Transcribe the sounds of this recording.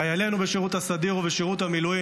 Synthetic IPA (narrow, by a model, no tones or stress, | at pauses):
ajale̞nubeʃiʁut̪hasad̪iʁoveʃeʁut̪hamilui